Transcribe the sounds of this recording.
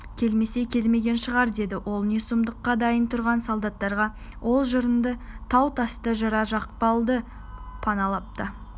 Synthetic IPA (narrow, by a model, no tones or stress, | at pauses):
kʲʰe̞lme̞se̞kʲʰe̞lme̞ɡʲe̞nʃəʁɑɾd̪e̞d̪ɪwʔo̞lˠnesumd̪əqːɑd̪ɑjənt̪ʰʊɾʁɑnsolˠd̪ɑt̪ːɑɾʁɑ | wʔo̞lˠʒəɾənd̪ət̪ʰɑwt̪ʰɑst̪əʒɑɾɑʒɑq̚pɑlˠd̪ə | pʰɑnɑlˠɑp̚t̪ə